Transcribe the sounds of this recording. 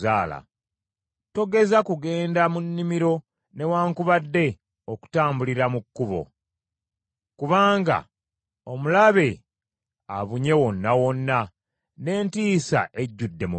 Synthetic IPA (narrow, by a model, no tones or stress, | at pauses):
zaːla̰ | to̞ɡe̞zakuɡe̞ːndamunːimiɾo̞ | ne̞waːŋkuβadːe̞ | oku̥taːmbuliɾamukːuβo̞̰ | kuβaːŋɡa̰ | o̞mulaβe̞ | aβuɲe̞wo̞nːawo̞nːa | ne̞ːntiːsa̰ʔe̞ɟːudːe̞mu